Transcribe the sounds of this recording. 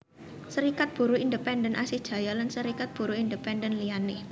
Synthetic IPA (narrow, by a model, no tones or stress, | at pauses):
səɾikat̪̚b̥ṳɾuindəpɛndənʔa̰sɪhd̥ʒ̥a̤jalansəɾikat̪̚b̥ṳɾuindəpɛndənlianɪh